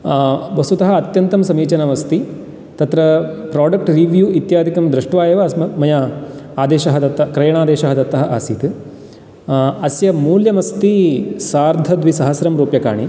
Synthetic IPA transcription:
bɐsut̪ɐɦɐɐt̪jɐnt̪ɐmsɐmiːt͡ʃɐnɐʋɐst̪i | t̪ɐt̪ɾɐpɾaːɖɐk̚ʈɾiʋjuːit̪jaːd̪ʱikɐmd̪ɾɐʂʈʋaːjɐʋɐɐsmɐmɐjaaːd̪eːʃɐɦɐd̪ɐt̪ːɐkɾɐjɐɳ̃aːd̪eːʃɐɦɐd̪ɐt̪ːɐɦɐʔaːsiːt̪ | ɐsjɐmuːljɐmɐst̪isaːɾd̪ʱɐd̪ʋisɐɦɐsɾɐmɾuːpjɐka̰ːɳi

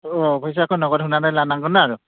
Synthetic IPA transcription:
ɔbʱɔjs̬akʰɔnɔɡɔtɦunanajlanaŋɡɔnaːɹu

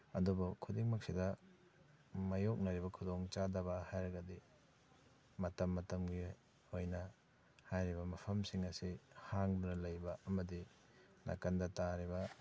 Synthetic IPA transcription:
ɐdubukʰudiŋmɐk̚sidɐ | mɐjok̚nɐɾibɐkʰudoŋt͡ʃadɐbɐhajɾɐɡɐdi | mɐtɐmːɐtɐmɡi | ojnɐ | hajɾibɐmɐpʰɐmsiŋɐsihaŋdunɐlɐjbɐɐmɐdi | nʔɐ̰kɐndɐtaɾibɐ

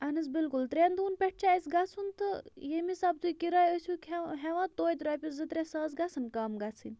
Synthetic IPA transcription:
ɐnɨs̬bilkult̪ɾend̪uːnpʲeʈ̚t͡ʃʰait͡sɡat͡sʰunt̪ɨjemisab̚t̪ujkiɾaːjəsʲukʰeɦɛʋãt̪oːjt̪ɾaːpʲiszɨt̪ɾesɐːt͡sɡat͡sɨnkaːmɡat͡sʰɨ̰nʲ

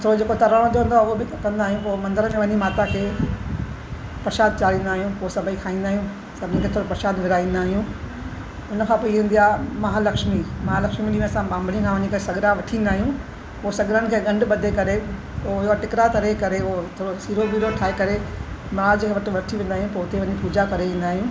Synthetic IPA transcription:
t̪ʰoːɾod͡ʑeːkot̪ɐɾaɽ̃õd̪oʋə̃nd̪aʊɦobɪkɐ̃nd̪aːɦijũpoːmɐ̃nd̪əɾəmẽʋɐɲimaːt̪akʰeː | pɐɾʃaːd̪̚t͡ɕaːɾĩːnd̪aːɦijũpoːsɐbʱəĩkʰaːĩːnd̪aːɦijũ | sɐbʱĩkʰet̪ʰoːɾopɐɾʃaːd̪ʋɪɾaːĩːn̆d̪aːɦijũ | ʊnəkʰãpoːiʋẽːn̆d̪ijaːmɐɦalɐkʃmimɐɦalɐkʃmiɗiʋə̃sãbãːmbʱɽĩkʰãʋɐɲikɐesɐɡɾaʋɐʈʰĩːnd̪aːɦijũ | poːsɐɡɾənɪ̆kʰeːɠɐ̃ɳɖɓɐd̪ʱekɐɾe | oʈɪkɾat̪ɐɾekɐɾet̪ʰoːɾosiːɾobiːɾoʈʰaːekɐɾemɐɾaːd͡ʑkʰeːʋɐʈʰɪ̆ʋɐʈʰiʋẽːnd̪aːɦijũpoːʊt̪eʋɐɲipuːd͡ʑakɐɾeʋẽːn̆d̪aːɦijũː

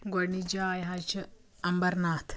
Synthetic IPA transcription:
ɡonid͡ʒaːjɦat͡ʃɐ | ɐmbɐɾnaːt̪ʰ

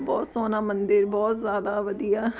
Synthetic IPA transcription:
bɔːt̪soːnaːmənd̪əɾbɔːt̪zjaːd̪aːʋəd̪ijaː

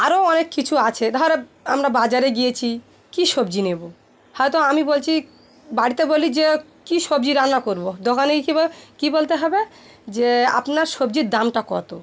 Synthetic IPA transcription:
aɾoɔnekːit͡ɕʰuat͡ɕʰed̪aɦoɾeamɾabad͡ʑaɾeɡijet͡ɕʰi | kiʃobd͡ʑinebo | hɔet̪oamibolt͡ɕʰi | baɽit̪ebolid͡ʑekiʃobd͡ʑiɾanakoɾbod̪okʰanekikibolt̪eɦɔbe | d͡ʑea̰pnaɾʃobd͡ʑiɾd̪amʈakɔ̰t̪o̰

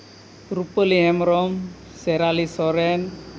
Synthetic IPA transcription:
ɾupəliɦɛmɾɔm | sɛɾalisɔɾɛn

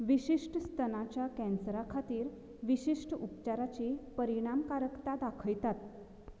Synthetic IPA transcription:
ʋiɕiʂʈəst̪ʰənat͡ɕjakɛ̃nsɾakʰat̪iːɾ | ʋiɕiʂʈupt͡ɕaɾat͡ɕipəɾiɽ̃amkaɾəkt̪ad̪akʰəjt̪at̪̚

